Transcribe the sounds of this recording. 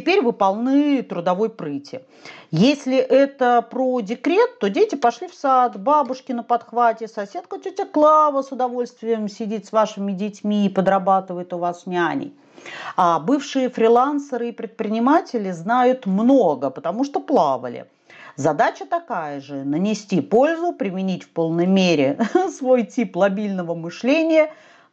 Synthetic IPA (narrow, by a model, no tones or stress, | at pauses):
tʲɪpʲeɾʲvɨpɐlˠnɨt̪ɾʊd̪ɐvo̞jpɾɨtʲɪ | jesʲlʲɪʔɛt̪əpɾodʲɪkɾʲe̞t̪ːo̞dʲetʲɪpɐʂlʲifsat̪babʊʂkʲɪnəpɐt̪xvatʲɪsɐsʲet̪̚kətʲɵtʲaklˠavəsʊd̪ɐvo̞lʲst̪vʲɪjəmsʲɪdʲit̪ʲsvaʂɨmʲɪdʲɪtʲmʲiːpəd̪ɾɐbat̪ɨvəɪt̪ʊvasnʲanʲɪ̰j | abɨfʂɨjəfɾʲɪlˠansəɾɨːpɾʲɪt̪̚pɾʲɪnʲɪmatʲɪlʲɪznajʊt̪mno̞ɡəpət̪ɐmuʂt̪oplˠavə̰lʲɪ̰ | zɐd̪at͡ɕət̪ɐkajəʐɨnənʲɪsʲtʲipo̞lʲzʊpɾʲɪmʲɪnʲitʲfpo̞lˠnəjmʲeɾʲɪsvo̞jtʲiplˠɐbʲilʲnəvəmɨʂlʲenʲɪjə